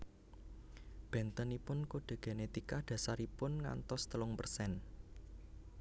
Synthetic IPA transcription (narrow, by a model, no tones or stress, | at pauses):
b̥ɛ̤nt̪ənipʊnkoɖ̥e̤ɡ̥e̤net̪ikaɖ̪̥ä̤saɾipʊnŋa̰nt̪ɔst̪əlʊŋpərsɛn